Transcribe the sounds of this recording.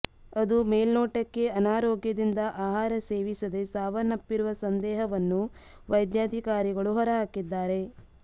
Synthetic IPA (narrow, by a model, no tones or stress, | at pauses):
ɐd̪umeːlnɔːʈɐkːe̞ɐnaːɾɔːɡjɐd̪ind̪ɐʔaːɦaːɾɐse̞ːʋisɐd̪e̞saːʋɐnɐpːiɾuʋɐsɐnd̪ɛːɦɐʋɐnːu | ʋɐjd̪jaːd̪ʱikaːɾiɡɐɭuɦɔɾɐɦaːkːid̪ːaːɾe̞